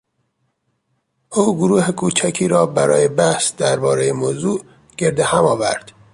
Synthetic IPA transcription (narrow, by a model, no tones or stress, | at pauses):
ʔuːɡoɾuːhekʰuːt͡ʃʰækʰiːɾɒːbæɾɒ̰ːjebæhsd̪æɾbɒːɾejemozuːʔ | ɟ̥e̞ɾd̪ehæmɒːvæɾd̪̥